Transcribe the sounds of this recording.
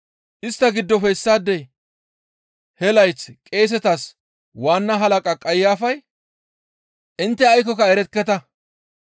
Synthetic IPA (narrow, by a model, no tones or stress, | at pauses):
ʔɪst̪ːɐɡɪd̪ːɔfɛɪsːaːd̪ːɛ | hɛlɐjt͡skʼe̞ːs̬ɛt̪as | waːnːɐɦɐlɐkʼɐkʼɐjːaːfɐj | ʔɪnt̪ːɛɐjkɔkɐɛɾɛkːɛt̪ɐ